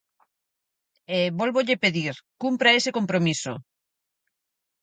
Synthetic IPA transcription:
eβolβoʎepeðiɾkumpɾaesekompɾomiso̰

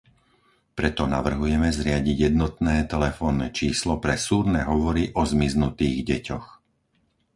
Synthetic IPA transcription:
pɾɛt̪ɔna̰ʋr̩ɦujɛmɛzɾɪaɟiɟjɛd̪̚nɔt̪nɛːt̪ɛlɛfɔːnːɛ̰t͡ʃiːslɔpɾɛsuːɾnɛɦɔʋɔɾiʔɔzmiznut̪iːɣɟɛcɔx

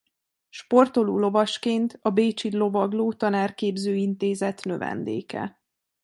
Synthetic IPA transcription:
ʃpo̞rt̪o̞luːlo̞vɒʃkeːnt̪ɒbeːt͡ʃid̪lo̞vɒɡloːt̪ɒnaːrkeːbzøːint̪eːzɛt̪nø̞vɛ̰nd̪ḛːkɛ̰

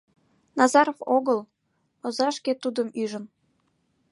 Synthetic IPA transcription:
nɑzɑɾovoɣəl | ozɑʃket̪ud̪əmyʒən

